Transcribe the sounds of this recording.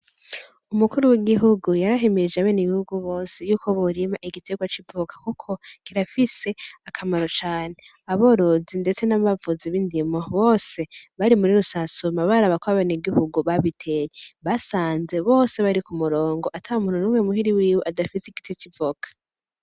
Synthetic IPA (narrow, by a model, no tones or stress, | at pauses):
umukuɾuwiɡiɦuɡujaɾaɦemeɾid͡ʒaβeːniβihuɡuβo̞ːse̞juːko̞βuɾimaʔiɡitʰe̞ɡwat͡ʃivukḁkukʰo̞kiɾafise̞akʰamaɾo̞t͡ʃaːne̞ | aβo̞ɾo̞zinde̞t͡se̞naβavuziβindimoβo̞ːse̞βaɾimuɾiɾusasomaβaɾaβakoaβeniɡihuɡuβaβitʰe̞je̞βasaːnze̞βo̞ːse̞βaɾikumuɾo̞ːŋɡo̞ʔatʰaumuːn̥unuːmŋemuɦiɾiwiːweʔadafiseiɡi̥tet͡ʃivukḁ